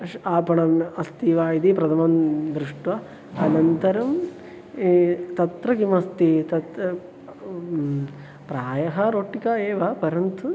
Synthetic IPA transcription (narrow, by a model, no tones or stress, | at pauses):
ʂaːpɐɳɐmɐst̪iʋaːid̪ipɾɐd̪ʱɐmɐnd̪ɾuʂʈʋɐ | ɐnɐnt̪ɐɾɐm | t̪ɐt̪ɾɐɡimɐst̪it̪ɐt̪ | pɾaːjɐɦɐɾoːʈːikaːeːʋɐpɐɾɐnt̪u